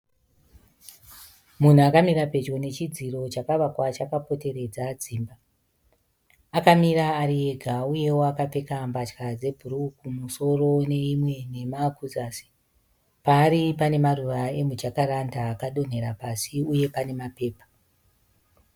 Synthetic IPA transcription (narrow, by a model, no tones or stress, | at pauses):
mun̤uakamiɾape̞d͡ʒo̞ne̞t͡ʃid͡ziro̞t͡ʃakaʋakwat͡ʃakapo̞te̞re̞d͡zad͡ziːmba | kamiɾaːɾie̞ɡʱauje̞woakape̞kambat͡ʃkad͡ze̞bʱurukumuso̞ro̞ne̞imwe̞ne̞makuzaːsi̥ | paːɾipane̞maruʋae̞mud͡ʒakaɾandaːkaɗo̞n̤e̞ɾapasiuje̞pane̞mape̞ːpḁ